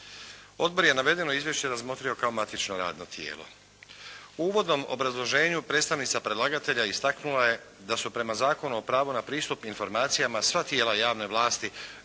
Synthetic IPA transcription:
o̞d̪̚bo̞ɾje̞naʋe̞d̪e̞no̞izʋje̞ʃt͡ɕe̞ɾazmo̞t̪ɾio̞kaomat̪it͡ʃnoɾa̰ːd̪no̞t̪jḛːlˠo | uuːʋo̞d̪no̞mo̰bɾazlˠo̞ʒe̞ːɲupɾe̞ːt̪st̪aʋnit̪sapɾed̪lˠaɡat̪e̞ʎaist̪aknulaje̞ | d̪asupɾe̞mazaːko̞nuo̞pɾaːʋunapɾiːst̪upinfo̞ɾmaːt̪sijamasʋat̪je̞ːlajaːʋne̞ʋlˠaːst̪i

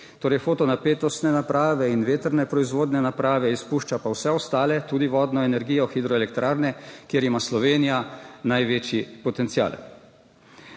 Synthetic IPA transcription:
t̪oːɾɛjfoːt̪ɔnapeːt̪ɔst̪nɛnapɾʔaːʋɛinʋeːt̪əɾnɛpɾɔizʋoːd̪nɛnapɾaːʋɛispuʃt͡ʃapawsɛɔst̪aːlɛt̪uːd̪iʋɔːd̪nɔɛnɛɾɡiːjɔxid̪ɾɔɛlɛk̚t̪ɾʔaːɾnɛkjeːɾimaslɔʋeːnijanajʋeːt͡ʃjipɔt̪ɛnt̪sija̰ːl

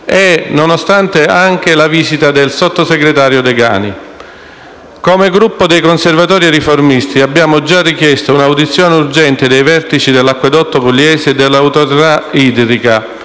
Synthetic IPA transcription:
ɛnonost̪ant̪eaŋk̟elaviːzit̪ad̪elsot̪ːoseɡɾet̪aːɾjod̪eɡa̰ːni | komeɡɾupːod̪ejkonservat̪ɔːɾiɾiformist̪iabːjaːmod͡ʒarːikjɛst̪ounawd̪it̪sːjɔːneurd͡ʒɛnt̪ɪd̪ejvɛrt̪it͡ʃid̪elːakːwed̪ɔt̪ːopulːjɛːseːd̪ːelːawt̪oɾit̪aiːd̪ɾika

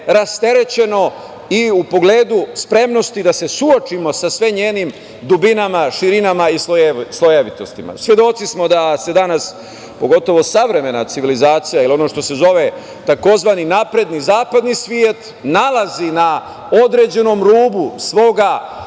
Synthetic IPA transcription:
ɾast̪e̞ɾe̞t͡ɕe̞no̞ | iupo̞ɡle̞ːd̪uspɾe̞mno̞st̪id̪ase̞suo̞t͡ʃimo̞sasʋeɲeːnim | d̪ubinamaʃiɾinamaisoslˠojeʋit̪o̞st̪ima̰sʋje̞d̪o̞t̪sismo̞d̪ase̞d̪anas | po̞ɡo̞t̪o̞ʋo̞saʋɾe̞me̞nat̪siʋilizaːt̪sijailio̞no̞ːʃt̪o̞se̞zo̞ʋe̞ | t̪ako̞zʋaninapɾe̞d̪nizaːpad̪nisʋjiet̪ | nalˠazina | o̞d̪ɾe̞d͡ʑe̞no̞mɾuːbusʋo̞ːɡa

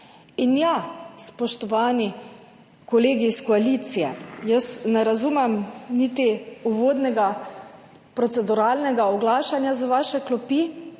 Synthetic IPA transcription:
injaspɔʃt̪ɔʋaːni | kɔleːɡiskɔaliːt̪sijɛjəsnɛɾazuːmɛmniːt̪iuʋoːd̪nɛɡa | pɾɔt̪sɛd̪uɾaːlnɛɡaɔɡlaːʃanjazaʋaːʃɛklɔpi

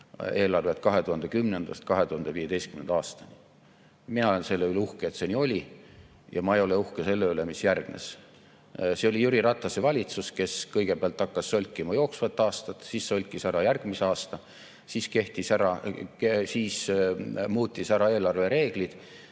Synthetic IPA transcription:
e̞ːlɑrve̞t̪̚kɑɦe̞t̪uhɑnd̪̥ekymne̞nd̪̥ɑ̰st̪̚kɑɦe̞t̪uhɑnd̪̥eviːe̞d̪e̞jst̪kymnend̪̥ɑːst̪ɑni | minɑolense̞lːeyleuhkeet̪se̞niːo̞lʲi | jɑ̰mɑejo̞leuhkese̞lːeylemisjærɡ̥nḛs | seo̞lʲijuɾiɾɑt̪ːˑɑsevɑlʲit̪suske̞skɤjɡ̥e̞peɑlt̪ːˑɑkːɑsːølʲkːˑimɑjo̞ːksvɑt̪ːˑɑːst̪ɑt̪siːsːølʲkːˑisæɾɑjærɡ̥miseɑːst̪ɑ | siːske̞ht̪isæɾɑ | siːs | muːt̪ʲːisæɾɑe̞ːlɑrve̞ɾe̞ːɡ̥lid̪̥

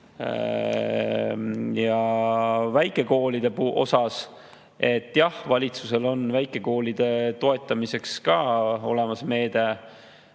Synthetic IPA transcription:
jɑ | væjkˑe̞ko̞ːlid̪̥e̞puʔo̞sɑs | e̞t̪ːˑjɑhvɑlʲit̪suse̞lo̞nvæjkˑe̞ko̞ːlid̪̥e̞t̪o̞e̞t̪ːˑɑmise̞kskɑːo̞le̞mɑsme̞ːd̪̥e̞

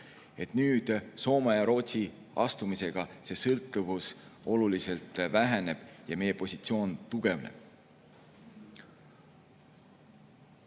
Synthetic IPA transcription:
e̞t̪nyːd̪̥so̞ːmɑjɑɾo̞ːt̪ʲsi | ɑst̪umise̞ɡ̥ɑse̞ːsɤlt̪ːˑuvuso̞lulise̞lt̪ˑvæɦene̞b̥jɑme̞jepo̞sʲit̪sio̞ːnt̪uɡ̥e̞vnḛb̥̚

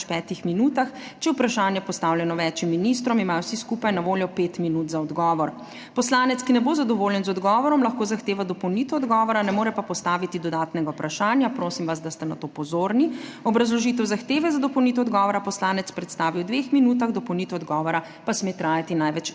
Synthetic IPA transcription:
pɛːt̪ixminuːt̪axt͡ʃɛjɛupɾaʃaːnjɛpɔst̪aːwljɛnɔʋɛt͡ʃimːinist̪ɾɔmimaːjɔwsiskupajnaʋoːljɔpeːt̪minut̪zaɔd̪ɡɔːʋɔɾ | pɔslaːnɛt̪skinɛbozad̪ɔʋoːljɛnzɔd̪ɡɔːʋɔɾɔmlaxkoːzaxt̪eːʋad̪ɔpɔwnit̪ɛɔd̪ɡɔːʋɔɾanɛmoːɾɛpapɔst̪aːʋit̪id̪ɔd̪aːt̪nɛɡaupɾʔaʃaːnjapɾoːsimʋas̬d̪ast̪ɛnat̪opɔzoːɾniɔbɾazlɔʒit̪̬ɛwzaxt̪eːʋɛzad̪ɔpɔwnit̪ɛɔd̪ɡɔːʋɔɾapɔslaːnɛt̪spɾɛt̪st̪aːʋiwd̪ʋexminut̪aɣd̪ɔpɔwnit̪ɛɔd̪ɡɔːʋɔɾa | pasmeːt̪ɾaːjat̪inajʋɛt͡ʃ

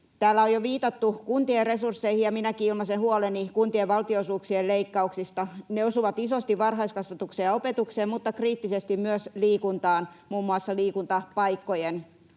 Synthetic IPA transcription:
t̪æːlːæojoʋiːt̪ɑt̪ːukunt̪ierresursːeihijɑminækiilmɑsehuolenikunt̪ieʋʋɑlt̪iosuːksieleikːɑuksist̪ɑneosuʋɑt̪isost̪iʋʋɑrhɑiskɑsʋɑt̪uksejɑopet̪ukseːmmut̪ːɑkriːt̪ːisest̪immyøsliːkunt̪ɑːnmuːmːuɑsːɑliːkunt̪ɑpɑikːojen

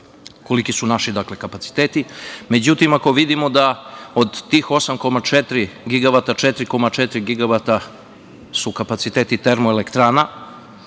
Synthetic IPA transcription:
ko̞likisunaʃid̪akle̞kapat̪si̥t̪eːt̪ime̞d͡ʑut̪imakoʋid̪imo̞d̪aod̪t̪iːxo̞samko̞mat͡ʃet̪ɾiɡiɡaβat̪at͡ʃɛt̪ɾiko̞mat͡ʃɛt̪ɾiɡiɡaβat̪a | sukapat̪sit̪eːt̪it̪eɾmoelekt̪ɾaːna

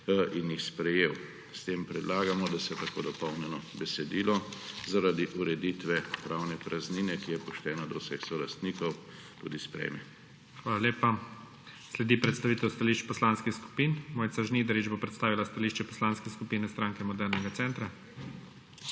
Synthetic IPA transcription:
ʔinjixspɾɛjew | st̪empɾɛd̪laːɡamɔd̪asɛt̪akoːd̪ɔpɔwnɛnɔbɛsɛd̪ilɔzaɾad̪iʔuɾɛd̪it̪ʋɛpɾaːwnɛpɾazninɛkijɛpɔʃt̪ɛːnad̪ɔwsɛxsɔlast̪nikɔw | t̪ṵd̪ispɾɛ̰mɛ | xʋaːlaleːpa | slɛd̪ipɾɛt̪st̪aʋiːt̪ɛwst̪aliʃt͡ʃpɔslanskixsku̥piːnmoːjt̪saʒniːd̪ɛɾid͡ʒbopɾɛt̪st̪aːʋilast̪aliːʃt͡ʃɛpɔ̥slaːnskɛskupiːnɛst̪ɾaːŋkɛmɔd̪ɛɾnɛɡat̪sɛnt̪ɾa

